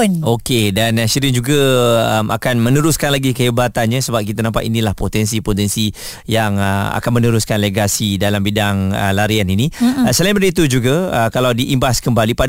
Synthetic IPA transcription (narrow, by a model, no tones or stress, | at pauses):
nokedanəʃiɾɪnd͡ʒuɡaəma̰kanmə̃nəɾuskanlaɡikəɦibat̪anɲasəbap̚kit̪anampa̰ʔ̪inĩlahpot̪ɛnsipot̪ɛnsi | jaŋəa̰kanmənəɾuskanleɡasidalambidaŋə̰laɾianinisəlaĩmədəit̪̬ud͡ʒuɡaəkalawdiʔːmbaskəmbalipa